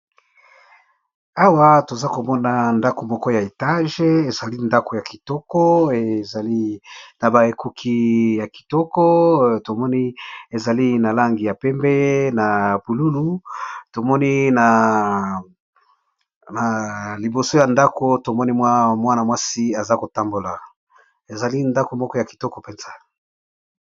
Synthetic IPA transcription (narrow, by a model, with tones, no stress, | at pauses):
a˦wa˦to˨za˦ko˨mɔ˦na˨nda˦ko˨mɔ˦kɔ˦ja˨e˨ta˦ʒe˦e˨za˨li˦nda˦ko˨ja˨ki˨tɔ˦kɔ˦e˨za˨li˦na˨ba˨e˨ku˦kʰi˦ja˨ki̥˨tɔ˦kɔ˦to˨mɔ˦ni˦e˨za˨li˦na˨la˦ŋɡi˨ja˨pɛ˦mbɛ˦na˨bu˨lu˦lu˦to˨mɔ˦ni˦na˨ | na˨li˨bo˨so˦ja˨nda˦ko˨to˨mɔ˦ni˦mwa˦mwa˦na˨mwa˦si˦a˨za˦ko˨ta˦mbo˨la˨ | e˨za˨li˦nda˦ko˨mɔ˦kɔ˦ja˨ki̥˨tɔ˦kɔ˨pɛ˦nz̥a˨